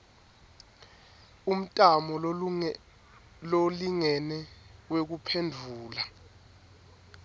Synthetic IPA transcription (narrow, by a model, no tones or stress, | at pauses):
um̩tʼamɔ | loliŋɛnɛwek̬upʰendʱuːla